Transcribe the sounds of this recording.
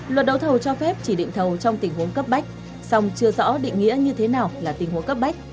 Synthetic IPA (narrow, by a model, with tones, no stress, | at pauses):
lwə˨˩t̚ɗə˧˦wt̪ʰə˨˩wt͡ɕɔ˧fɛ˦˥p̚t͡ɕi˧˩ɗḭ˧˨ŋ̟t̪ʰə˨˩wt͡ɕɔ˧wŋ͡mt̪ï˨˩ŋ̟hu˨˦ənkə˦˥p̚ɓa˦˥jk̟̚ | sa˧wŋ͡mt͡ɕɨ˧əzɔ̰˧˥ɗḭ˧˨ŋ̟ŋḭ˧˥əɲɨ˧t̪ʰe˨˦naː˨˩wlaː˨˩t̪ï˨˩ŋ̟hu˨˦ŋkə˦˥p̚ɓa˦˥jk̟̚